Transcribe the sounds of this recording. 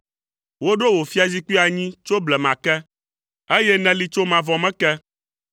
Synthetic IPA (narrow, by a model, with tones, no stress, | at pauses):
wo˦ɖo˦wo˨fi˦a˨zi˦ki˦a˨ɲĩ˦t͡ʃo˦blɛ˨mã˨kɛ˦ | e˦jɛ˦nɛ̃˦li˦t͡ʃo˦mã˨vɔ̃˨mɛ̃˦kɛ˦